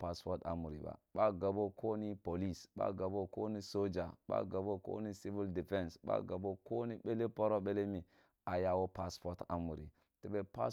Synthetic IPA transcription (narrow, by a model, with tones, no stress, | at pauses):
pa˦spo˦ta̰˨mu˨ɾḭ˨ba̰˨ɓa˦ɡa˨bo˦kʰo˦ni˦po˨li˦˨sɓa̰˦ɡa˨bo˦ko˦ni˦so˦d͡ʒa˨ɓa̰˦ɡa˨bo˦ko̰˦ni˦si˦vi˦ldi˨fe˦nsɓa̰˦ɡa˨bo˦ko˦ni˦ɓe˦le˦po˦ɾo˦ɓe˦le˦mi˨ | a˨ja˦wo˦pa˦spo˦ta̰˨mu˨ɾḭ˨ | te˨˦ɓe˦pa˦